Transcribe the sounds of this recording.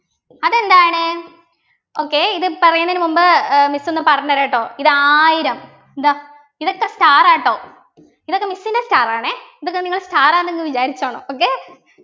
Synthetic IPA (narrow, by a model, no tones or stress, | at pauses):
ɐðe̞nd̪aːjɳɨ | oːkːeiðɨpɐrɐjunːɐinɨmumbɨmisːunːɐpɐrɐnːɐɾaːjiʈːoːiðɨaːjiɾɐm | d̪ɐ | iðokːestaːraːjʈːoː | iðokːe̞misːinɐstaːraːɳɨiðokːeniŋːɐɭstaːraːneŋɡɨʋit͡ɕaːɾit͡ɕːoːɳoːoːkːeː